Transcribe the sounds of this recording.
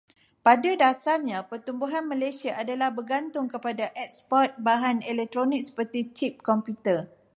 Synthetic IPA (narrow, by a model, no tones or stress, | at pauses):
padadasarɲãpərt̪umbuɦanmãlajsiaʔadalahbərɡant̪ʊŋkəpadaʔɛk̚spɔt̪̚baɦanɛlɛk̚t̪ɾonik̚sə̥pərt̪it͡ʃip̚kɔmpjut̪ər